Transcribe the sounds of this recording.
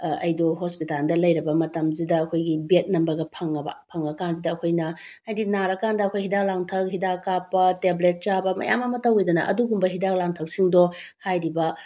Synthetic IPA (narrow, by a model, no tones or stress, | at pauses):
ɐ̰jdɔɦospitaldɐlɐjɾɐbɐmɐtɐmzidɐːkʰojɡibet̚nɐmbɐɡɐpʰɐŋɐbɐ̰pʰɐŋɐkanz̬idɐːkʰojnɐhajdinaɾɐkandɐɐkʰojɦidaklaŋtʰɐk̚ɦidakapːɐteblet̚t͡ʃabɐmɐ̰ja̰mɐmɐtɐwejdɐnɐ̰ʔɐ̰duɡumbɐɦidaklaŋtʰɐk̚siŋdɔhajɾibɐ